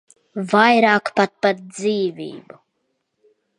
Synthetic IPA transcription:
vajɾaːkpat̪̚pat̪̚d̪ziːvḭːbu

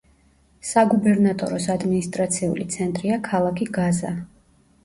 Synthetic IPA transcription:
saɡubɛɾnat̪ʼɔ̰ɾɔsad̪minist̪ʼɾat̪sʰiṵlit̪sʰɛnt̪ʼɾiakʰalˠakʰiɡaza̰

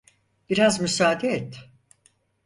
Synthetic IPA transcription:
b̥iɾazmysaːd̪eːt̪ː

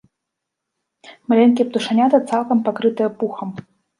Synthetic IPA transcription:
mɐlʲenʲkʲip̚t̪uʂanʲat̪ɐt̪salˠkɐmpakɾɨt̪ɨjɐpuxəm

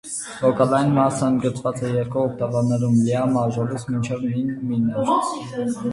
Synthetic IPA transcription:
vɔkɑlɑjinmɑsəənd̪ɡət͡svɑt͡sɛjɛɾkuːkʰt̪ɑvɑnːɛɾumliɑmɑʒɔlisʰmint͡ʃʰɛvminminɛɾ

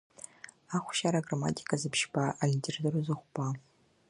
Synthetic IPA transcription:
aχʷʃaɾaɡrama̰tʼi̥kʰʼazɨpʰʃbʰaaintʰʲʼerdɨɾuzɨχʷpa

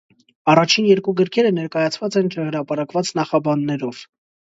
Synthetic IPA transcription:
ɑrɑt͡ʃʰinjɛɾkuɡəɾkʰɛɾənɛɾkɑjɑt͡sʰvɑt͡sɛnt͡ʃʰəhəɾɑpɑɾɑkvɑt͡snɑχɑbɑnːɛɾɔv̥

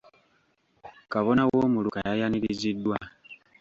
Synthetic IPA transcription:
kaβo̞nawoːmulukajajaniɾizidːwa

